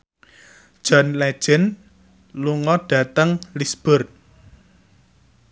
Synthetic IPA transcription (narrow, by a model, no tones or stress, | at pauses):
d̥ʒ̥ɔnlɛ̥ʒ̥ɪ̤n | luŋɔɖ̥ä̤t̪əŋlisb̥ʊ̤r